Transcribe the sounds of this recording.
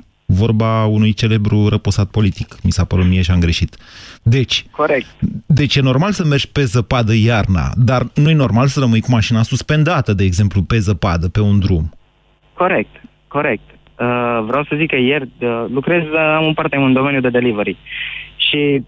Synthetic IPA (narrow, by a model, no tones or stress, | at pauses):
vo̞rbaunujt͡ʃe̞le̞bɾuɾəposat̪̚po̞lit̪ikmisapəɾut̪mijeʃiamɡɾe̞ʃit̪d̪e̞t͡ʃʲkoɾek̪̚d̪e̞t͡ʃʲjeno̞rmalsəme̞rd͡ʒʲpe̞zəpad̪əjarna̰d̪arnuje̞no̞rmalsəɾəmɨjkumaʃinasuspe̞nd̪at̪əd̪eːɡze̞mplupe̞zəpad̪əpe̞und̪ɾum | ko̞ɾe̞k̚t̪ | ko̞ɾek̚t̪ | əvɾeawsəzikːəjerəlukɾe̞zamumpart̪eund̪ome̞njud̪e̞d̪e̞liveɾiʃi